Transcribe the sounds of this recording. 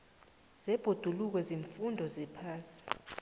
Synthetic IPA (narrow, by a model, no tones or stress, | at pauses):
z̥ɛb̥ʱod̥ʱuluk̬wɛziɱfundʱɔzɛpʰaːsi̥